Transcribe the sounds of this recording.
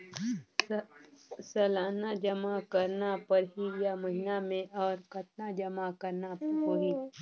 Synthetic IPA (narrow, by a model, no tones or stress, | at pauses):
sɐlaːnad͡ʒɐmakɐɾnapɐɾɦijamɐɦɪnamẽʔɔːɾkɐt̪nad͡ʒɐmakɐɾnapɾkoːɦi